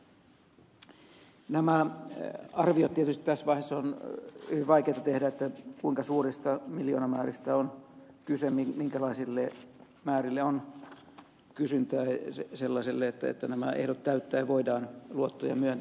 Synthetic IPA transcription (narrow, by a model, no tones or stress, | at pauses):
næmæ | ɑrʋiot̪t̪ːiet̪yst̪i̥t̪æsʋɑihesːonyʋiʋʋɑikeːt̪ɑt̪ehdæet̪ːækuiŋkɑsuːrist̪ɑmiljoːnɑmæːrist̪æon | kysemimiŋkælɑisilːe | mæːrilːeon | kysynt̪æːseselːɑselːeet̪ːæḛt̪ːænæmæʔḛhdot̪tːæyt̪ːæːɑʋoidɑːnluot̪ːo̰jɑ̰myønt̪